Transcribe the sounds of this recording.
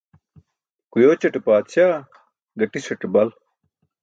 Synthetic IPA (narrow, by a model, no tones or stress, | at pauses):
kujoːt͡ɕɐʈepaːt̪ɕjaː | ɡɐʈisɐʈebɐl